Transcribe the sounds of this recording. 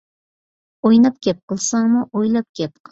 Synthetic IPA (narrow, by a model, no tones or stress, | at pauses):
ojnap̚kʲʰep̚qɨlˠsaŋmʊʔojlap̚kʲʰepq